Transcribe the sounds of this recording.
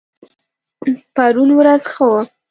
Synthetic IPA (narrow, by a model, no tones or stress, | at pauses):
paɾunwɾazxəwə